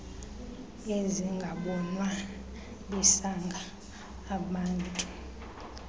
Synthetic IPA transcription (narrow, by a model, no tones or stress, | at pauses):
eziŋɡʱaɓɔnwa | ɓɛsaŋɡʱaː | ɓaːntʼu